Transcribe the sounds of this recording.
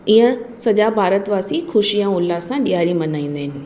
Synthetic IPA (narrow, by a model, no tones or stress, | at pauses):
ɪɦə̃sɐd͡ʑabʱaːɾət̪ʋaːsixʰʊʃijãʊlːasãɗijaːɾimɐnaːĩːn̆d̪ɪɦɪnɪ̆